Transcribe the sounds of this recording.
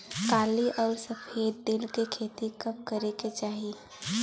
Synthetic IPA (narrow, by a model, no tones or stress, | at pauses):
kaːliʔɔːɾsəpʰeːd̪d̪ɪlkekʰeːt̪ikəp̚kəɾeket͡ʃaːɦi